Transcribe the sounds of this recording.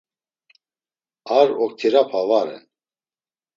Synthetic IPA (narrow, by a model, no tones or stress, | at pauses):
aɾɔk̚t̪ʰiɾapʰavaɾɛ̰n